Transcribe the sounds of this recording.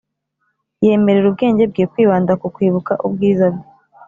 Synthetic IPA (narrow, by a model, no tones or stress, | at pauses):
je̞ːme̞ɾeɾubɡe̞ːɲɟe̞b̚ɡeːkwiːβaːndakukwiːβukaʔubɡiːzabɡe